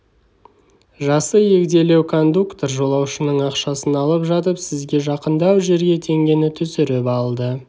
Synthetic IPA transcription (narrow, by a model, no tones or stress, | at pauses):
ʒɑsəje̞kd̪e̞le̞wkʰo̞nd̪ukt̪oɾʒo̞lˠɑwʃənəɴɑqʃɑsənɑlˠəpʒɑt̪əpsɪzɡʲe̞ʒɑqənd̪ɑwʒe̞ɾɡʲe̞t̪ʰe̞ŋɡʲe̞nɪt̪ʰʏsɪɾɪpɑlˠd̪ə